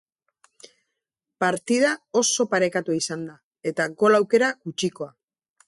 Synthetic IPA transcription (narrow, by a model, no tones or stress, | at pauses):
paɾt̪iðao̞so̞paɾe̞kat̪uisand̪a | e̞t̪aɡo̞lawke̞ɾaɡut͡ʃiko̞a